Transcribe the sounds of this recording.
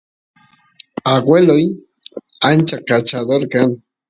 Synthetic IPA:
aɡweloj | ant͡ʃakat͡ʃad̪oɾkan

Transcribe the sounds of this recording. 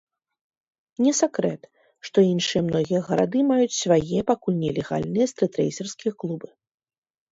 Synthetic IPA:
nʲɛsʲɛkɾɛt̪ | ʂt̪ɔinʂɨjɛmnɔɣʲijɐɣɐɾa̰d̪ɨmajut͡sʲsʲvajɛpakulʲnʲɛlʲɛɣa̰lʲnɨjɛst̪ɾɨt̪ɾɛ̰jsʲɛrskʲijɐklˠubɨ

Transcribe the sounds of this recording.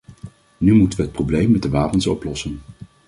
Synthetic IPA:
nymutənʋəɦət̚prowblejmːɛt̚dəʋaːpənsɔplɔsən

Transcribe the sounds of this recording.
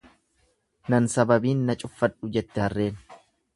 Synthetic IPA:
nɐnsɐbɐbiːnːɐt͡ʃʼʊfːɐᶑʊd͡ʒɛt̪ːɪhɐrːe̞ːn

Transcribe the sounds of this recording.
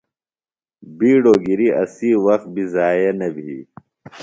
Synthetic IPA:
biːɽoːɡiɾiʔɐsiːwɐxt̪̚bʱizaːjenɐbʱi

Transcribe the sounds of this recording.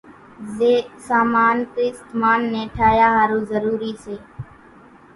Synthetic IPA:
zeːsaːmaːnkiːst̪maːnːẽːʈʰaːjaːɦaːɾuːzəɾuːɾiːseː

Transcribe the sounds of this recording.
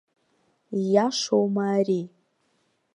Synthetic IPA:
jaʂowmaːri

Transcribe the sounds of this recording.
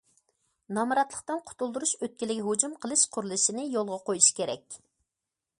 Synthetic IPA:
nɑmɾɑt̪lˠəqt̪ɨnqʰʊ̥t̪ulˠd̪uɾuʃøt̪̚kʲilɪɡʲiɦud͡ʒumqʰəlˠɨʃqʰʊɾlˠɨʃinɪjolˠʁɑqojuʃkʲʰeɾɛ̰kʲ

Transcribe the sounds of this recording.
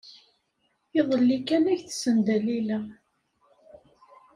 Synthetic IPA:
iðˤəlːikænæʝθsənd̪ælilæ

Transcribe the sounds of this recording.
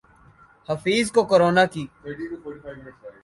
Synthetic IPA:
həfiːzkokoɾoːnaːkiː

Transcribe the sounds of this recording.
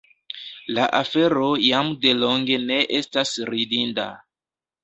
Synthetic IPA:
laʔafe̞ɾo̞jamde̞lo̞ŋɡe̞ne̞ʔestasɾidinda̰

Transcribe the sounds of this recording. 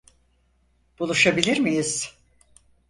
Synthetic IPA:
b̥ulˠuʃabilʲiɾmijiz̥

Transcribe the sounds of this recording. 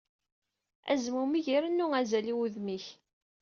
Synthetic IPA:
æ̰zmumiʝiɾənːuæzæliwuðmiç

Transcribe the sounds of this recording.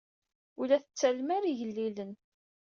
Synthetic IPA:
ulæθət͡sːælmæɾiʝəlːilən

